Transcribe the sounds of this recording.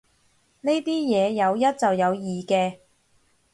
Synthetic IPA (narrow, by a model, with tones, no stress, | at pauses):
ne˥t̪iː˥jɛː˨˧jɐ˨˧wjɐ˥t̚t͡sɐ˨wjɐ˨˧wjiː˨˩kɛː˧